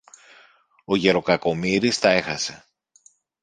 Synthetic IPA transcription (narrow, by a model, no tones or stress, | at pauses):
o̞ʝe̞ɾo̞kɐko̞miɾist̪ɐe̞xɐse̞